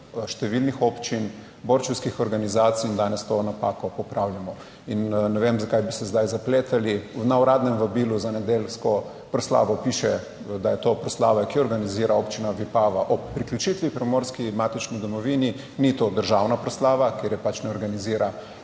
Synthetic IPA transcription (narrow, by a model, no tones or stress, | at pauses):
ʃt̪ɛʋilnixoːpt͡ʃin | boɾt͡ʃuwskixɔɾɡanizaːt̪siind̪aːnɛst̪onapaːkɔpɔpɾawljamɔ | innɛʋemzakajbisɛzd̪ajzapleːt̪alinauɾaːd̪nɛmʋabiːluzanɛd̪elskɔ | pɾɔsla̰ːʋɔpiʃɛ | d̪ajɛt̪opɾɔsla̰ːʋakiɔɾɡaniziːɾaopt͡ʃinaʋipaːʋaʔɔpːɾikljut͡ʃit̪ʋipɾɛmoːɾskimat̪it͡ʃnid̪ɔmɔʋini | nit̪oːd̪əɾʒawnapɾɔslaːʋakeɾjɛpat͡ʃnɛɔɾɡaniziːɾʔa